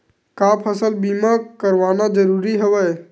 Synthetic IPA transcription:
kaːpʰəsəlbimakəɾʋaːnad͡ʒəɾuːɾiɦəʋəj

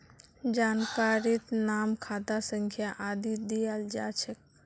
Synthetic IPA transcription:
d͡ʒaːnkaɾit̪naːmkʰat̪asəŋkʰjaʔad̪id̪ijald͡ʒaːt͡ʃʰək̚

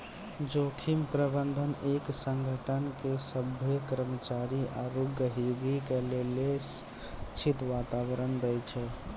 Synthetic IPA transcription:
d͡ʒokʰimpɾəbənd̪ʱəneksəŋɡʱəʈʰənkesəbʱjekəɾmət͡ʃaɾiʔaɾoɡəɦiɡikeleles | t͡ʃʰit̪ʋat̪abɾənd̪əjt͡ʃʰɛ

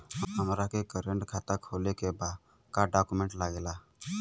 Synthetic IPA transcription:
həɦəmɾakekəɾeɳʈkʰat̪əkʰolekebad̪ | kaɖakumẽɳʈlaɡela

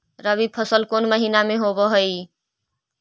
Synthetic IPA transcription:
ɾəβipʰəsəlkonməɦinameɦobəɦəj

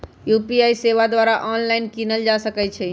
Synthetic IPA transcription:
jupiajseʋad̪waɾaʔɔnlaɪnkinəld͡ʒasəkɛt͡ʃʰɛ

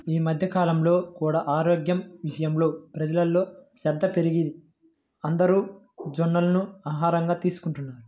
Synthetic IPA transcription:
iːmɐd̪ʱjɐkaːlɐmlo̞ːkuːɽaːʔaːɾoːɡjɐmʋiʂɐjɐmlo̞ːpɾɐd͡ʒɐlɐlːo̞ːsɛd̪ːɐpe̞ɾiɡid̪i | ɐnd̪ɐɾuː | d͡ʒunːɐlɐnuaːɦaːɾɐŋɡaːt̪iːsu̥kuɳʈunːaːɾu

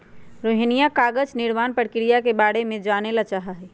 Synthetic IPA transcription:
ɾoɦinijakaːɡəd͡ʒnɪɾmaːnpəɽkɾijakebaːɽemẽd͡ʒaːnelat͡ʃaɦaɦɛː

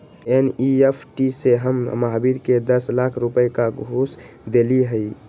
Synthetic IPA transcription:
eniepʰʈiseɦəmmaɦbiɾked̪əslakʰɾupəjkaɡʱos | d̪eliɦəj

